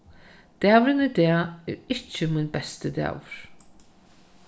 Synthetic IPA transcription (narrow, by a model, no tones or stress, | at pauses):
d̪̥æːvɾɪnəd̪ɛːɛ̰ɾɪt͡ʃːəmʊnbɛst̪əd̪ɛ̰ːwɹ̥